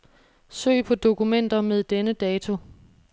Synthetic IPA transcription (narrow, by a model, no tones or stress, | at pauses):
sø̰ːɪ̰pʰɒ̽d̥o̝kumen̰d̥ɐmeð̞ˠd̥enəd̥ɛːt͡sʰo̝